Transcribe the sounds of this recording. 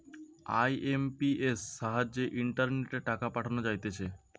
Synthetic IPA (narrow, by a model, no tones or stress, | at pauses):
a̰jʔempiesːaɦad͡ʑeʔiɳʈaɾneʈeʈakapaʈʰanod͡ʑajt̪et͡ɕʰe